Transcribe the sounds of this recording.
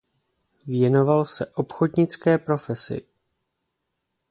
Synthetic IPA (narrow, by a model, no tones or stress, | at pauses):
vjɛno̞valsɛʔo̞pxo̞dɲɪt͡skɛːpɾo̞fɛsɪ̰